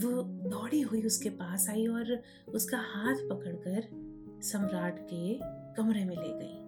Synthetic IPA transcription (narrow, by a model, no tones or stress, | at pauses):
ʋoːd̪ɔːɽiɦuiʊskepaːsaːiɔːɾ | ʊskahaːt̪ʰpɐkəɽkəɾ | sɐ̃mɾaːʈkekɐmɾemẽlḛːɡɐiː